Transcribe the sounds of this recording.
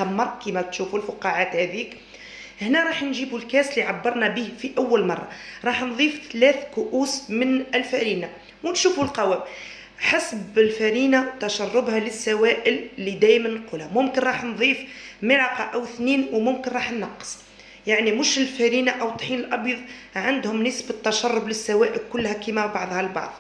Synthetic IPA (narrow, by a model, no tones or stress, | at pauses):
t̪æmːɑɾˤkimæt̪ʃufulfʊqɑʕat̪hæðiːk | əhnæɾˤɑːħnʒiːbulkæsliʕabːɑɾˤnæbiːhfiʔæwːælmɑ̰rˤːɑ̰ɾˤɑːħnðˤiːft̪læθkʊʔuːsmənəlfæɾiːna | wnʃuːfulqɑwæːm | ħasbɪlfæɾinawt̪æʃɑrˤːʊbhæləsːæwæʔəllːid̪æːjmænːquːlhæmʊmkɪnɾˤɑːħnðˤiːfmɪlɑqɑʔæwɪθniːnwmʊmkɪnɾˤɑːħnːɑqːsˤ | jaʕnimʊʃɪlfæɾiːnaʔæwt̪ˤħiːnəlʔɑbjɑðˤ | ʕand̪hʊmnəsbɪt̪ːæʃɑrˤːʊblɪsːæwæːʔɪlkʊlːhækiːmæbɑʕðˤhɑlbɑ̰ʕðˤ